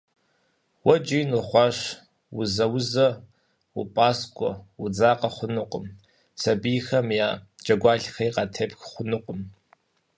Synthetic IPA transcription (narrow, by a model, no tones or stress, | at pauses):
wɐd͡ʒijnʊχʷɑʂ | wʊzɐwʊzɐ | wupʼaːskʷʼɔwʊd͡zaːqɐχʷʊnɨqʷʼəm | sɐbijxɐmjaːd͡ʒʼɐɡʷɑːɬxɐjqɑtʰepxχʷʊnɨqʼəm